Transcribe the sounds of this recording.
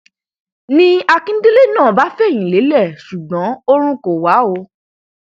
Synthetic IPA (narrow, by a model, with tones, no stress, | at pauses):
nĩ˦a˧kĩ˦n̩˦de˦le˦˨nãː˦˨ba˨˦fɛ˦˨j̃ĩ˨le˨˦lɛ˦˨su˨ɡ͡bã˨˦o˦ɾ̃ũ˦ko˨wa˨˦o˧